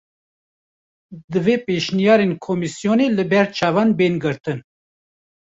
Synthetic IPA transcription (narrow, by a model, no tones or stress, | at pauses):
d̪ɨveːpeːʃnijɑːɾenkʰomisijoneːlɨbɛɾt͡ʃʰɑːvɑːnbeːnɡɨɾt̪ɨn